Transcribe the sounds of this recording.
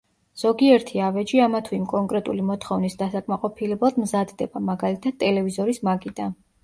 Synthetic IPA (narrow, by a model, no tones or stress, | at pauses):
z̥ɔɡiɛɾt̪ʰiavɛd͡ʒiamat̪ʰuimkʼɔŋkʼɾɛt̪ʼulimɔt̪ʰχɔvnisd̪asakʼmaqʼɔpʰilɛblˠad̪mzad̪d̪ɛbamaɡalit̪ʰad̪t̪ʼːɛlɛvizɔɾismaɡid̪a